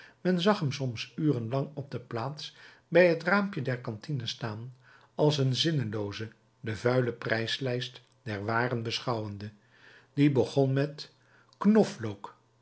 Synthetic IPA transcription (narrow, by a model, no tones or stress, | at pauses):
mɛnzɑχɦəmsɔmsyːrənlɑŋɔb̚dəplaːts | bɛjɦətraːmpjədɛɹkɑntinəstaːn | ɑlˠsənzɪnəlowzə | dəvœɥləprɛjslɛjst | d̥ɛɹʋaːrənbəsχɑwəndə | dibəχɔnmɛt | knɔflowk